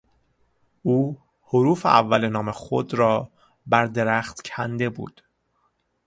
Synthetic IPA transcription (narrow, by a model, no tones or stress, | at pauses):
ʔuː | hoɾuːfḛʔævːælenɒːmexo̰d̪ɾɒː | bæɾd̪e̞ɾæxt̪cʰænd̪e̞bṵːd̪̥